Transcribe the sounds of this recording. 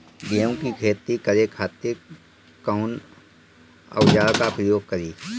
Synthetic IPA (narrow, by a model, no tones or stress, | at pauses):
ɡeõkikʰeːt̪ːikəɾekʰaːt̪ɪ | kəʊn | ə̰wd͡ʒaːɭkapɾəjoːɡ̚kəɾiː